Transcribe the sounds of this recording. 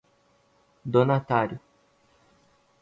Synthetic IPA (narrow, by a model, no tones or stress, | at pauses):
d̪onat̪aɾjʊ